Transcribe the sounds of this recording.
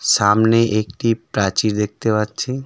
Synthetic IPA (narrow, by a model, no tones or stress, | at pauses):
ʃamneʔekʈipɾat͡ɕiɾd̪ek̚t̪epatːt͡ɕʰe